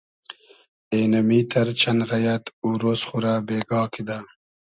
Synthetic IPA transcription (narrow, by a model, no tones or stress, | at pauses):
eːnɐmiːt̪ʰɐɾt͡ɕʰɐnɣɐjɐt̪uːɾoːsχuɾabeːɡɑːkid̪a